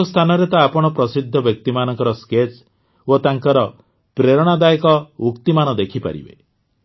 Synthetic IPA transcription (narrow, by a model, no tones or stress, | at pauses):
st̪ʰanɔɾet̪aːpɔɽ̃ɔpɾɔsid̪ʱːɔbjɔk̚t̪imanɔŋkɔɾɔsket͡ʃ | ot̪aŋkɔɾɔ | pɾeɾɔɽ̃ad̪ajekɔukt̪imanɔd̪ekʰipa̰ɾḭbḛ